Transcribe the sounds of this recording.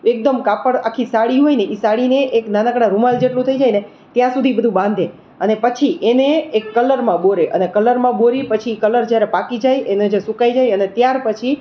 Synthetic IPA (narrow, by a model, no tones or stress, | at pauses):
ek̚d̪əmkapəɽakʰːisaɽiɦojneʔisaɽineʔeknanakɽaɾumald͡ʒeʈlũt̪ʰəid͡ʒajne | t̪jãsud̪ʱibəd̪ʱũbãnd̪ʱe | ənepət͡ʃʰiʔeneːkːələɾmãboɾeʔə̰nekələɾmãboɾipət͡ʃʰikələɾd͡ʒjaɾepakid͡ʒajened͡ʒesukajd͡ʒajənet̪jaɾpət͡ʃʰi